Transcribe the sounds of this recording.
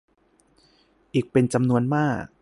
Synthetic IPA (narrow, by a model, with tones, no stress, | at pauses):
ʔiː˨˩k̚pe˧nt͡ɕa˧mnu˧ənmaː˥˩k̚